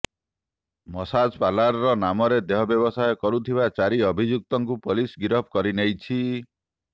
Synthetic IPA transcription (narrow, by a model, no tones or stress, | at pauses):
mɔsad͡ʒpalaɾɾɔnamɔɾed̪eɦɔbjɔβɔsajɔkɔɾut̪ʰibat͡ʃaɾiɔbʱid͡ʒuk̚t̪ɔŋkupolisɡiɾɔp̚ʰkɔɾinejt͡ʃʰi